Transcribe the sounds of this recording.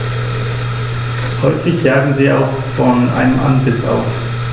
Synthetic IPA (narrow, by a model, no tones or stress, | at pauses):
hɔʏfɪçjaːɡŋ̩ziːa̰ʊx | fɔnʔa̰ɪnəmʔa̰nzɪt͡sa̰ʊs